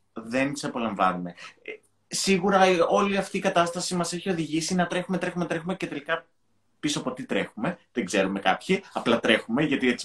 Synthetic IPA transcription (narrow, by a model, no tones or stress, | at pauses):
ðe̞nt̪isɐpo̞lɐɱvɐ̰nume̞ | siɣuɾɐo̞liɐft̪iːkɐt̪ɐst̪ɐsimɐse̞çio̞ðiʝisinɐt̪ɾe̞xume̞t̪ɾe̞xume̞t̪ɾexume̞ce̞t̪e̞likɐ | pisoɐpo̞t̪it̪ɾe̞̰xume̞ðeŋɡze̞ɾume̞kɐ̰pçiɐplɐt̪ɾe̞xume̞ʝɐt̪ie̞t͡si̥